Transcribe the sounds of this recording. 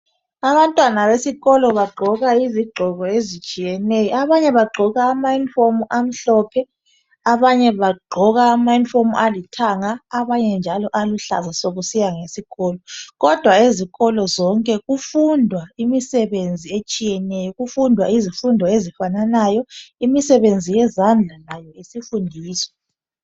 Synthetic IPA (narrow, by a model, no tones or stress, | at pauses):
aβantʼwanaβesiɣɔlɔβaɡ͡ǃʱɔɣaiziɡ͡ǃʱɔɣɔezit͡ʃʼijɛnɛjɔaβaɲɛβaɡ͡ǃʱɔɣaːmainfomuʔam̩ɬɔːpʰɛ | aβaɲɛβaɡ͡ǃʱɔɣaːmainfomuʔalitʰaŋaːβaɲɛnd͡ʒʱalɔʔaluɬa̰zasoɣusijaŋesiɣɔːlɔɣɔd̥ʱwaeziɣɔlɔzɔŋkʼɛɣufundʱwaimisɛβend͡zʱiet͡ʃʼijɛnɛjɔɣufundʱwaizifundʱɔezifananajɔimisɛβend͡zʱijɛzand͡ɮʱalajɔisifundʱiːsɔ̥